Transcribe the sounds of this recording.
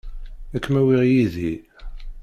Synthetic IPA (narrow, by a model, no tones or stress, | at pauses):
ækːmæwiʁjiði